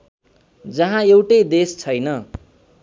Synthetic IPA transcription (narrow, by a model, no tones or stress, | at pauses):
d͡zʌɦãewʈʌjd̪est͡sʰʌjnʌ